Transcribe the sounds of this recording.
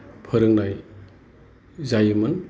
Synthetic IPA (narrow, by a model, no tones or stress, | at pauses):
pʰəɾɯŋnaj | zajɯmɯn